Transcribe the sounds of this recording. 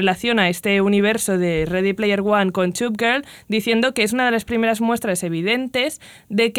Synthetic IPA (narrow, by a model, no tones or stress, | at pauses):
elaθjo̞nae̞st̪e̞uniβ̞e̞ɾso̞ðe̞reðiplejeɾɣwaŋko̞nt͡ʃup̚ɡeɾld̪iθje̞nd̪o̞ke̞es̬unað̞e̞laspɾime̞ɾazmwe̞st̪ɾase̞β̞iðe̞nt̪e̞z̥ | ðe̞k